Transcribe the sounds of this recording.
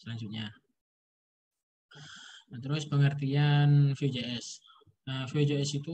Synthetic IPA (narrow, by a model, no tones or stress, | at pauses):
səlaŋsut̪̚ɲa | at̪əɾʊspəŋərt̪ianfed͡ʒeɛs | əfd͡ʒeɛsit̪u